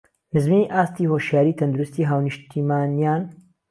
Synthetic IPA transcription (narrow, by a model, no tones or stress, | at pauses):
mɨzmiʔaːst̪ihoʃjaːɾiːt̪ʰɐnd̪uɾust̪iːɦaːwnɨʃt̪ʰiːmaːnijaːn